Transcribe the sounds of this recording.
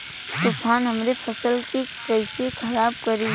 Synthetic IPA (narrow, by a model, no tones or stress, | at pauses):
t̪ʊpʰaːnɦəmɾepʰəsəlkikəɪsekʰəɾaːb̚kəɾi